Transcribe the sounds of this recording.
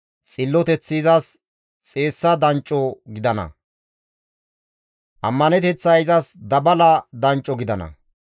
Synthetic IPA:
t͡sʼɪlːɔt̪ɛt͡sːiːzɐs | t͡sʼe̞ːsːɐd̪ɐnt͡ʃʼːɔɡɪd̪ɐnɐ̰ | ʔɐmːɐnɛt̪ɛt͡sːɐɪzɐsd̪ɐbɐlɐd̪ɐnt͡ʃʼːɔɡɪd̪ɐnɐ̰

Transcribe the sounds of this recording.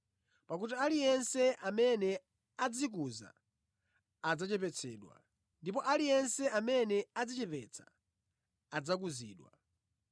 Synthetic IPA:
pak̬ut̬ialijɛnsɛʔamɛnɛ | ad͡zik̬uza̰ | ad͡zat͡ʃɛp̬ɛt͡sʰɛːɗwa̰ | ndip̬ɔʔalijɛnsɛamɛnɛad͡zit͡ʃɛpɛt͡sʰḁ | ad͡zak̬uzḭːɗwa̰

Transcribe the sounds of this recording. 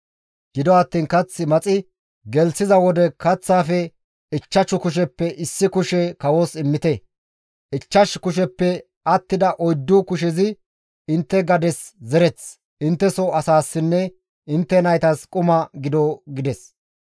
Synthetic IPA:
ɡ̥ɪd̪ɔɐt̪ːiːnkɐt͡sːɪmɐt͡sʼɪ | ɡɛlsɪzɐwɔd̪ɛkɐt͡sːaːfɛ | ɪt͡ʃːɐt͡ʃʊkʊʃ̬ɛpːɛʔɪsːɪkʊʃɛkɐwoːsɪmːɪt̪ɛ | ɪt͡ʃːɐʃkʊʃɛpːɛ | ɐt̪ːɪd̪ɐʔɔjd̪ːukʊʃ̬ɛzɪ | ɪnt̪ːɛɡɐd̪ɛszɛɾɛt͡s | ʔɪnt̪ːɛsɔɐsaːsːɪnːɛ | ɪnt̪ːɛnɐjt̪ɐskʼʊmɐɡɪd̪ɔɡɪd̪ɛs

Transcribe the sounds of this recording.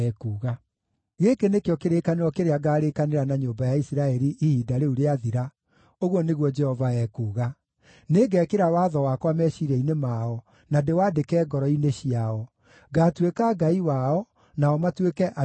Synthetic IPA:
ɛkuːɣa | ɣekenekejɔkeɾekaneɾɔkeɾeaɡaːɾekaneɾanaɲoːmbajaisiɾaɛɾiʔihiːdaɾeuɾeaðiɾa | oɣwɔneɣwɔd͡ʒɛhɔvaɛkuːɣa | neɡɛkeɾawaːðɔwakwamɛɕiɾɛinemaɔ | nadewaːdekɛːɡɔɾɔineɕiaɔ | ɡaːtwekaɡaiwaɔ | naɔmatwekɛʔa

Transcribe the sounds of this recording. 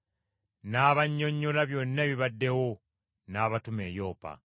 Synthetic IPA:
naːβaɲːo̞ɲːolaβjo̞ːnːeβiβadːe̞wo | naːβatume̞ːjoːpa̰

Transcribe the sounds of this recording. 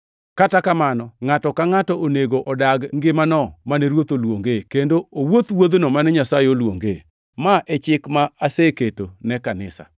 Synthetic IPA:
katakamanɔŋatɔkaŋatɔʔoneɡoʔɔdaɡŋɡɪmanɔmanɛɾwot̪olwoŋɡekendoowot̪wod̪nɔmanɛɲasajeolwo̰ŋɡe | maʔɛt͡ʃɪkmaaseketonɛkanɪ̰sa̰

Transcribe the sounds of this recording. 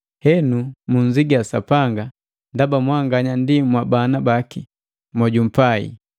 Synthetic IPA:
hɛnumuɲziɡiasapaŋɡa | ndabamwaŋɡaɲandimwabanabaki | mwɔɟum̩paḭ

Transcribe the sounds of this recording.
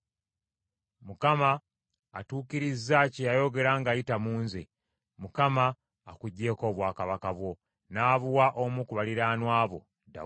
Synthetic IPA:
mukamaː | tuːkiɾizːacejajo̞ɡe̞ɾaːŋɡajitamuːnzḛ | mukamaː | kuɟːe̞ːko̞ːβwaːkaβakaβwo̞ | naːβuwaʔomukuβaliɾaːnwaːβo̞̰ | da̰

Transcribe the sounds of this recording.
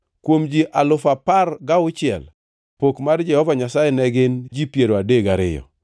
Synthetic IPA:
kwomd͡ʒiʔalʊfaparɡaʊt͡ʃɪɛ̰l | pokmard͡ʒɛhɔvaɲasajɛnɛɡɪnd͡ʒipjeɾoadeɡaɾɪ̰jɔ̰

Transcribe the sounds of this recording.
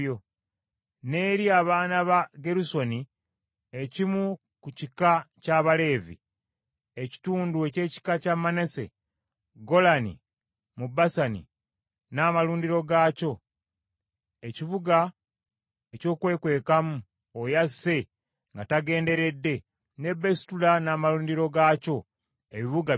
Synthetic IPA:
o | ne̞ːɾiaβaːnaβaɡe̞ɾuso̞ni | e̞cimu | kucikacaβale̞ːvḭ | eci̥tuːndue̞ce̞ːci̥kacamːane̞se̞̰ | ɡo̞lanḭ | mubasanḭ | naːmaluːndiɾo̞ɡaːco̞ | eciβuɡa | eco̞ːkwe̞ːkwe̞ːkamu | ojasːe̞ | ŋɡataɡe̞ːnde̞ɾe̞dːe̞ | ne̞bːe̞si̥tulanaːmaluːndiɾo̞ɡaːco̞ | eβiβuɡa

